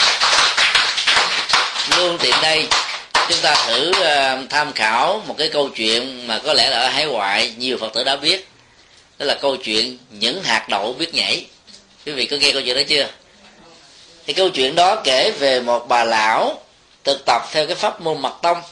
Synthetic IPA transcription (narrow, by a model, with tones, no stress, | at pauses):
lu˧ənt̪ḭ˧˨ənɗə˧jt͡ɕʊ˨˦ŋ͡mt̪aː˧t̪ʰɨ˧˩t̪ʰaː˧mxaː˧˩wmo˨˩t̚kaː˨˦jkə˧wt͡ɕwḭ˧˨ənmaː˨˩kɔ˨˦lɛ˧˥˩laː˨˩ʔə˨˦˩ɦaː˨˦jwa̰ː˧˨jɲi˨˩əwfə˨˩t̚t̪ɨ̰˧˩ɗa̰ː˧˥ɓi˦˥ət̚ | ɗɔ˨˦laː˨˩kə˧wt͡ɕwḭ˧˨ənɲɨ̰˧˥ŋɦaː˨˩k̚ɗə̰˧˨wɓi˦˥ət̚ɲa̰˧˥j | kwi˨˦vḭ˧˨kɨ˨˦ɣɛ˧kə˧wt͡ɕwḭ˧˨ə˨ɗɔ˦t͡ɕɨ˧ə | t̪ʰi˨˩kə˧wt͡ɕwḭ˧˨ənɗɔ˨˦ke˧˩ve˨˩mo˨˩t̚ɓaː˨˩la̰ː˧˥w | t̪ʰɨ˨˩k̚t̪ə˨˩p̚t̪ʰɛ˧wkaː˨˦jfaː˦˥p̚mo˧nmə˨˩t̚t̪ə˧wŋ͡m